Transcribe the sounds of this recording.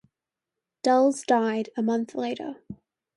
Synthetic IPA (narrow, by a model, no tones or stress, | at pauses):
d̥ʌlˠzdaɪɾɨmʌ̃nθleɪɾə̰˞